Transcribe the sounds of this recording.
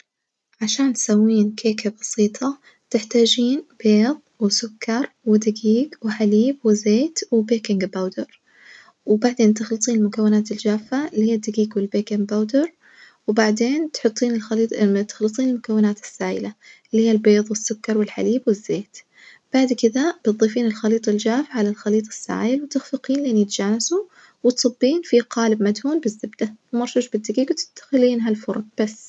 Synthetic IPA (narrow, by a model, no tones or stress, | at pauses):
ʕaʃaːnt̪sawːiːnkʰeːkabɑsiːt̪ˤʰɑ | t̪ɪħt̪aːd͡ʒiːnb̥eːðˤwɪsʊkʰːɑɾˤwɪd̪ɪɡiːɡwɪħaliːbwɪzeːt̪wɪbeːkɪŋɡbawd̪ɪɾ | wbaʕd̪eːnt̪ɪxlɨt̪ˤiːnɪlmʊkawːɪnaːt̪ɪld͡ʒaːfːalijːad̪ɪɡiːɡwɪlbeːkɪŋbawd̪ɪɾˤ | wbaʕd̪eːnt̪ħʊt̪ˤːiːnɪlxt̪ɪ̥xlɨt̪ˤiːnɪlmʊkawːɪnaːt̪ɪ̥sːaːjɪ̰la | lhiːalbeːðˤwɪsːʊkːɑɾˤwɪlħa̰liːbwɪzːeːt̪ | b̥aʕd̪kɪðab̥t̪ˤðˤiːfiːnɪlxɑliːt̪ˤɑld͡ʒaːfaʕalalxɑliːt̪ˤɑ̥sːa̰ːjɪlwɪt̪ɪxfɪqiːnlʔɪnːjɪt̪d͡ʒaːnasu | wɪt̪sˤɑbːiːnfiqɑːlɪbmad̪huːnbɪzːɪbd̪awmɑɾˤʃuːʃbɪd̪ːɪɡiːɡwt̪ɪ̥d̪̥ːḁxɪliːnɦalfʊɾˤɑɡ̚b̥asː